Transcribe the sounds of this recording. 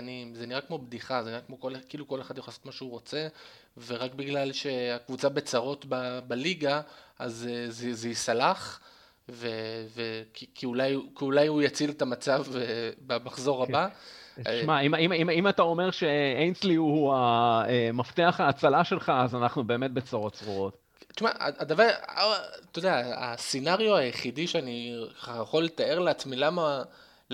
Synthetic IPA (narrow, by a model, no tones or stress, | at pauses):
nimzeniʁakmo̞bd̪iχazeniʁakmo̞kolekiiluko̞leχad̪joχasotmaʃeuʁo̞t͡se | veʁakbiɡlalʃe̞akvut͡sabe̞t͡saʁo̞tbabaliɡaazezezeisalaχ | vevekikʰiulajkiulajujat͡silet̪amat͡savebamaχzo̞ʁhaba | maimimimimatao̞me̞ʁʃe̞ejnslihuaemaft̪eaχaːt͡salaʃe̞lχaːzanaχnube̞ːmet̪̚be̞t͡saʁo̞tt͡sʁuo̞t̪ | tʃma̰a̰ad̪avaʁ | t̪od̪eaːsinaʁjuajeχidiʃeaniajeχolːet̪ae̞ʁleat͡smilama